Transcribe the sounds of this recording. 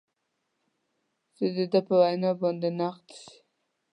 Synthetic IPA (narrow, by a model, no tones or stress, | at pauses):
z̥əd̪əd̪əpəwajnɑbɑnd̪enaqt̪si̥